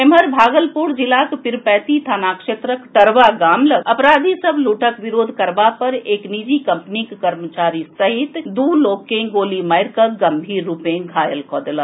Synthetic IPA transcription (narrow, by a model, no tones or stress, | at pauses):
eməɾbʱaːɡəlpuɾd͡ʒɪlaːkpɪɾpɛːt̪it̪ʰaːnaːkʃeːt̪ɾəkʈɐɾʋaɡaːmləɐpɾaːd̪ʱisəbluːʈəkʋɪɾoːd̪ʱkɐɾbapɐɾeːknid͡ʒikɐmpnikkɐɾmət͡ʃaːɾisɐɦɪt̪d̪uːloːkẽɡoːlimɐjɾkəɡɐmbʱiːɾːuːpẽɡʱaːjəlkɔ̰ːd̪la